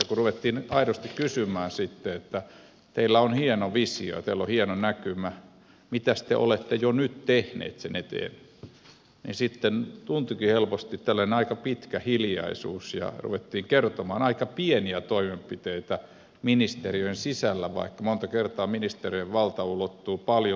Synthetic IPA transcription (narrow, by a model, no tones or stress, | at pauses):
kuruʋet̪ːiːnɑiɾost̪ikkysymˑæːnsit̪ːeet̪ːæ | t̪eilːæonhienoʋisio̰jɑ̰t̪eilːohienonækymæ | mit̪æst̪ḛʔo̰let̪ːejonyt̪t̪ehnḛːt̪senet̪ḛːn | nḭsit̪ːent̪unt̪ukihelpost̪it̪t̪ælːæneɑikɑpit̪kæhiljɑ̰isṵːsjɑ̰rṵʋet̪ːiːŋkert̪omɑ̰ːnɑikɑpieniæt̪oimempit̪eit̪æ | minist̪eriøensisælːæʋɑ̰ikːɑmont̪ɑkert̪ɑːminist̪erieʋʋɑlt̪ɑulot̪ːuːpɑljo